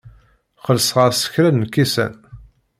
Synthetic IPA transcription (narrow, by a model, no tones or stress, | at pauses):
χəlsʁəɾsə̥çɾænːəkːisæ̰n